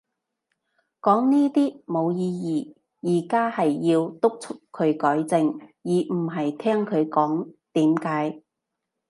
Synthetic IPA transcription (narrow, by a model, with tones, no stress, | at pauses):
kɔː˨˥ŋniː˥t̪iː˥mo˨˧wjiː˧jiː˨˩ | jiː˨˩kaː˥hɐ˨jːiː˧wt̪ʊ˥k̚t͡sʰʊ˥kʰːɵ˨˧ɥkɔː˨˥jt͡sɪ˨ŋjiː˨˩m̩˨˩ɦɐ˨jt̪ʰɛː˥ŋkʰɵ˨˧ɥkɔː˨˥ŋt̪iː˨˥mkaː˨˥j